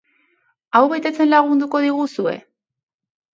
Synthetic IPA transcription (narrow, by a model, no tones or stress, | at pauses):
awβe̞t̪e̞t͡se̞nlaɣ̞und̪uko̞ðiɣ̞usue̞̰